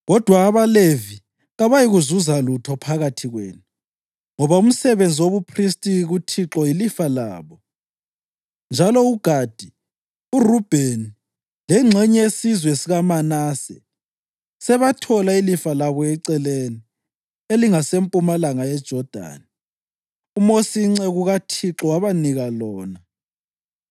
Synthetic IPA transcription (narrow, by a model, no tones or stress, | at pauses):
ɣɔd̥ʱwaːβalevi | ɣaβajiɣuzuzalutʰɔpʰaɣatʰiɣwḛːnu | ŋɔβaum̩sɛβend͡zʱiwoβupʰristʼiɣutʰiǁɔilifala̰ːβɔ | nd͡ʒʱalɔuɡ̥ʱad̥ʱi | urub̥ʱeni | lɛŋ͡ǀʱɛɲɛesizwesiɣamanaːsɛ̰ | sɛβatʰɔlailifalaβɔɛǀɛleni | eliŋasempʼumalaŋajɛd̥ʒ̥ʱɔd̥ʱa̰ːni | umosiŋ͡ǀɛɣuɣatʰiǁɔwaβaniɣalɔːna